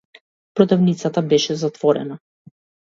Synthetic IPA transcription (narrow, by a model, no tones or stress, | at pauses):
pɾɔd̪avnit̪sat̪abɛʃɛzat̪vɔɾɛ̰na